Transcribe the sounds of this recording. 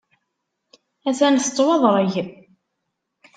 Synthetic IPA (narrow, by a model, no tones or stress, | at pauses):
æθænθt̪ˤːwɑðˤɾˤəʝ